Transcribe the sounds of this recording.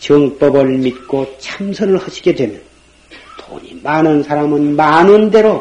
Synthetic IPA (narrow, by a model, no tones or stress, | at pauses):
t͡ɕɯŋp͈ʌbɯɭmit̚k͈ot͡ɕʰamsʰʌnɯɭhaɕʰi̥ɡe̞dwe̞mjʌn | to̰ɲḭmanɯnsʰaɾamɯnmanɯnde̞ɾo